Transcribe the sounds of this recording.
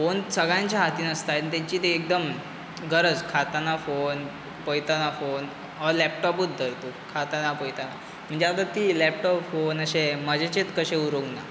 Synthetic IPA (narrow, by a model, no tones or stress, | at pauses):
fonsəɡɭãɲt͡ɕjaɦat̪iːnəst̪ajt̪t̪aɲt͡ɕiːt̪eːk̚d̪əm | ɡəɾəd͡zkʰat̪anafon | pəjt̪anafon | əlɛpʈɔpuːt̪̚d̪ʱəɾt̪ukʰat̪anapəjt̪ana | m̤əɳd͡ʑeat̪at̪iːlɛp̚ʈɔpfonəɕeməd͡ʑʱet͡ɕet̪kəɕeuɾoŋɡna